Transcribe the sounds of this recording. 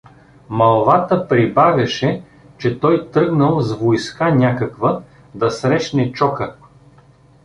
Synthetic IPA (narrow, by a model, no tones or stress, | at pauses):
mɐlˠvat̪əpɾibaɡɐʃɛ | t͡ʃɛt̪ɔjt̪ɾɤɡnəlˠzvojskanʲakɐkvə | d̪ɐsɾɛʃnɛt͡ʃɔkə